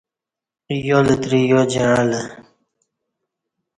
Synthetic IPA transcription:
jolət̪ɾijod͡ʑeãlə

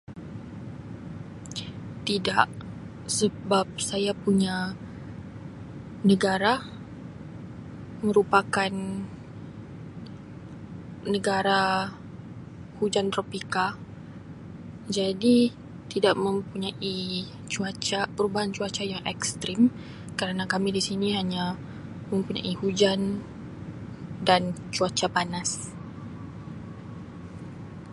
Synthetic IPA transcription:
t̪idaʔ | səbap̚sajapuɲa | nəɡaɾa | mə̃ɾupakan | əɡaɾa | hud͡ʒant̪ɾopika | d͡ʒadi | t̪idaʔmə̃mpuɲaʔi | t͡ʃuat͡ʃapəɾubaɦant͡ʃuat͡ʃajaŋʔɛkst̪ɾim | kəɾanakamĩdisinĩɦaɲã | mə̃mpuɲã̰ʔihud͡ʒan | dant͡ʃuat͡ʃapanas

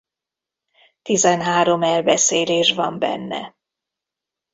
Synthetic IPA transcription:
t̪izɛnɦaːɾo̞mɛlbɛseːleːʃvɒmbɛ̰nːɛ̰

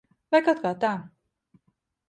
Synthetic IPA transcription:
vajkat̪̚kaːt̪aː

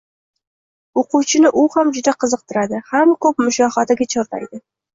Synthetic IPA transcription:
oqʰuwt͡ʃʰɪnɪʔʊhamd͡ʒʊd̪aqʰɨzɨq̚t̪ʰɪɾad̪ɪhamkʰɵp̚mʊʃɒhɒt̪ʰaɡʲat͡ʃʰoɾt̪ʰa̰jd̪ɪ

